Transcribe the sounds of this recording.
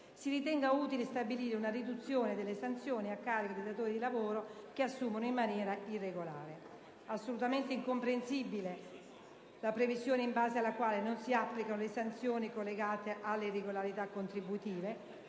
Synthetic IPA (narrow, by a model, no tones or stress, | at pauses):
siɾit̪ɛŋɡauːt̪ilest̪abiliːɾeunarid̪ut̪sːjoːned̪elːesant̪sjoːniakːaːɾikod̪ejd̪at̪oːɾid̪ilavoːɾokeasːuːmonoimːanjɛːɾairːeɡola̰ːɾe | asːolut̪ament̪eiŋkompɾensibile | lapɾevizjoːneimbaːzealːakwaːlenonsiapːlikanolesant̪sjoːnikolːeɡaːt̪eʔalːereɡolaɾit̪akːont̪ɾibut̪iːve